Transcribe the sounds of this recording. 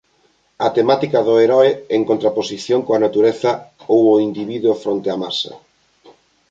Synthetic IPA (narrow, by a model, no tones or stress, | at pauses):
ɐt̪emat̪ikɐðoeɾɔeeŋkont̪ɾaposiθjoŋkoɐnat̪uɾeθɐowoind̪iβiðuofɾont̪eamasɐ̰